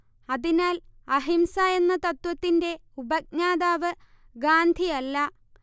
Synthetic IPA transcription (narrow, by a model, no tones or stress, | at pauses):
ɐðinaːlɐɦimsaːjenːɐt̪ɐt̪ʋɐt̪ːinde̞ubɐk̚ɲaːðaːʋɨ | ɡaːnd̪ʱijɐlːɐ